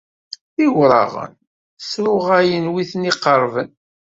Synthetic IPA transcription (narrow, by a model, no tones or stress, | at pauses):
θiwɾˤɑ̰ʁə̰n | sɾʊʁæjənwiθniqəɾˤvən